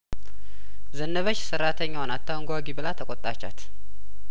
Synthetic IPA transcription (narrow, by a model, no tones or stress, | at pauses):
zənːəβət͡ʃːsəɾːat̪ʰəɲːawnat̪ʰːawŋɡʷaɡibəlat̪ʰəkʼot̪ʼːat͡ʃːa̰t̪